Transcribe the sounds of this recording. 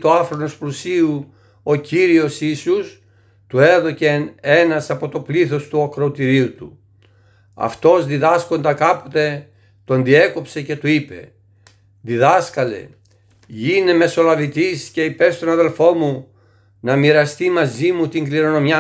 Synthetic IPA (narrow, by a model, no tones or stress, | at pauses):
t̪uɐfɾono̞splusiu | o̞ciɾio̞sisus | t̪ue̞ðo̞ce̞nenɐsɐpo̞t̪o̞pliθo̞st̪uokɾoot̪iɾiut̪u | ɐ̰ft̪o̞zðiðɐsko̞nd̪ɐkɐpo̞t̪e̞ | t̪o̞nðie̞ko̞pse̞ce̞t̪uipe̞̰ | ðiðɐskɐle̞̰ | ʝine̞me̞so̞lɐvit̪isce̞ipe̞st̪o̞nɐðe̞lfo̞mu | nɐmiɾɐst̪imɐzimut̪iŋɡliɾo̞no̞mjɐ